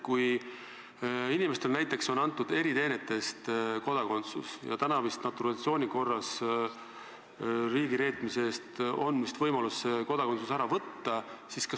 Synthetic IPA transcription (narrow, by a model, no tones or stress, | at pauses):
kuj | inime̞st̪e̞lnæjt̪ˑːe̞kso̞nɑnt̪ˑːud̪̥e̞ɾit̪e̞ːne̞t̪ːˑe̞st̪ko̞d̪̥ɑko̞nt̪sṵsjɑ̰t̪ænɑvist̪nɑt̪ːˑuɾɑt̪sio̞ːnʲiko̞rːɑs | riːɡiɾe̞ːt̪ˑmiseeːst̪o̞nd̪mist̪vɤjmɑlusːeko̞d̪ɑkot̪susæɾɑvɤt̪ːɑsiskɑ